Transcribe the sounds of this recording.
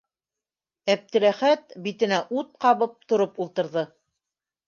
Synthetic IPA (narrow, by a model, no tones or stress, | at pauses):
æp̚t̪ɘ̆ɾæχæt̪bit̪ɘ̆næʔut̪̚qɑβɤp̚t̪ŏɾɤpulˠt̪ɤ̆ɾðɤ